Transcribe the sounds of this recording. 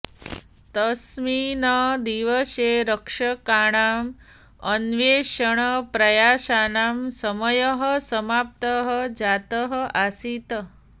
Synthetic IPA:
t̪əsmiːnəd̪iʋəseɾəkʂɐkaːɳam | ənʋeːʂəɳ̃əpɾɐjaːʃaːnaːmsəməjəɦəsəmap̚t̪əɦəd͡ʒat̪əɦəasit̪ə

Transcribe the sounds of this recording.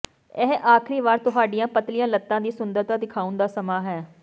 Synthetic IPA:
ɛɦʔaːkʰɾiːʋaːɾt̪ʊɦaːɖɪjãːpət̪lɪjãːlət̪ːãːd̪iːsʊnd̪əɾt̪ãːd̪ɪkʰaːʊ̃nd̪aːsəmaːɦɛː

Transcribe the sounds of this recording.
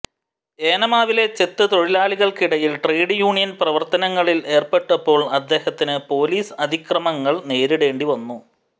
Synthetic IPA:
e̞ːnɐmaːʋile̞t͡ɕe̞t̪ːɨt̪o̞ɻilaːɭiɣɐɭkiɽɐjilʈrejɽjuːɳijɐnprɐʋɐrt̪ɐnɐŋːɐɭile̞ːrpe̞ʈːɐpːo̞ːɭɐd̪ːe̞ːhɐt̪ːinɨpo̞ːliːsɐd̪ʱikrɐmɐŋːɐɭne̞ːɾiɽe̞ːɳɖiʋɐnːu

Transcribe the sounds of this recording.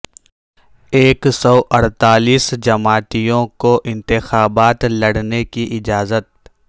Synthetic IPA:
eːksɔʔɐɽt̪aːliːsd͡ʒɐmaːt̪ijõkoʔɪ̃nt̪ɪxaːbaːt̪lɐɽnekiʔɪd͡ʒaːzət̪̚

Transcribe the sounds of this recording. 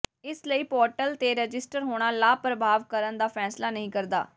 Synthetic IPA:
ɪsləiːpɔːɾʈəlt̪eːɾəd͡ʒɪsʈəɾɦoːɽ̃aːlaːpɾəbʱaːʋkəɾənd̪aːpʰɛːslaːnəɦĩːkəɾd̪a̰ː

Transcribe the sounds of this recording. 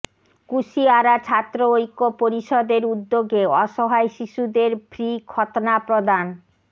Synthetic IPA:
kuʃiaɾat͡ɕʰat̪ːɾoojkːopoɾiʃɔd̪eɾud̪ːoɡeɔʃɔɦaeʃiʃud̪eɾpʰɾikʰɔt̪onapɾod̪an

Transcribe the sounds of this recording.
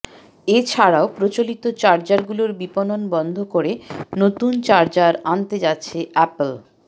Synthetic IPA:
et͡ɕʰaɽaopɾot͡ɕolit̪ot͡ɕaɾd͡ʑaɾɡuloɾbipononbɔnd̪ʱokoɾenot̪unt͡ɕaɾd͡ʑaɾant̪ed͡ʑatːɕʰeʔɛpl

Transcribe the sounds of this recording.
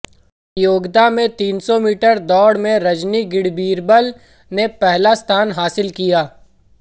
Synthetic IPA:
joːɡd̪amẽt̪iːnsɔmiːʈəɾd̪ɔːɽmẽɾɐd͡ʒniɡɪɽbiːɾbəl | nepɛɦlast̪ʰaːnɦaːsɪlkijaː

